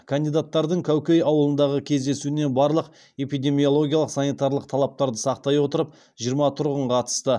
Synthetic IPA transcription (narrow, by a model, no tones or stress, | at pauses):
kʰand̪ijd̪at̪ːɑɾd̪əɴkʲʰæwkʲe̞jɑwəlˠənd̪ɑʁəkʲʰe̞zd̪e̞suɪnebɑɾlˠəq | e̞pijd̪e̞mijo̞lˠo̞ɡʲijɑlˠəqsɑnit̪ɑɾlˠəq̚t̪ʰɑlˠɑp̚t̪ɑɾd̪əsɑqt̪ɑjwo̞t̪əɾəp̚ | ʒ̥ijəɾmɑt̪ʰʊɾʁəɴqʰɑt̪ə̥st̪ə